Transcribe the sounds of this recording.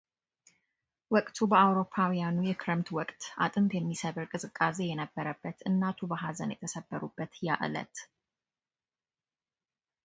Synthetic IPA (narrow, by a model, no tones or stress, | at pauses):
wɔkʼt̪ʰubəawɾo̞pʰːawijanujɛkʰɾəmt̪ʰwɔkʼt̪ʔa̰t̪ʼɨmbjɛmːisəβɨɾkʼɨzʼɨkʼːaze̞jɛnəbːəɾəbːət̪ɨnːat̪ʰubəɦazə̰njɛ̰t̪ʰəsəbːəɾubːət̪ja̰ʔlə̰t̪